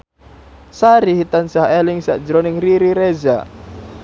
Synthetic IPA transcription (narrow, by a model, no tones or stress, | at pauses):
saɾiɦit̪ansahelɪŋsa̰ʔd͡ʒɾonɪŋriɾiɾeza̰